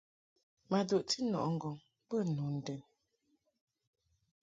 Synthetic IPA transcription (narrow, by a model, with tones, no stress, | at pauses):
ma˨do˨ʔti˦nɔ̰˨ʔŋ̩˦˨ɡɔ˨ŋ | pə˦˨nu˨n̩˨dɛ˨n